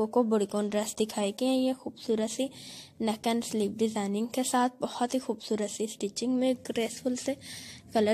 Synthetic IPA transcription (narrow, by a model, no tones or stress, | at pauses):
õkobʊɽikõːnɖɾəsd̪ɪkʰaːekiɦɛ̃jexuːbsuːɾət̪sinɐkənsliːp̚ɖɪzaːɪnɪ̃ŋɡkesaːt̪̚ʰbɐhʊt̪ɦixuːbsuːɾət̪siɪsʈiːt͡ʃɪ̃ŋɡmẽɡɾeːsfʰʊlseɣɐlə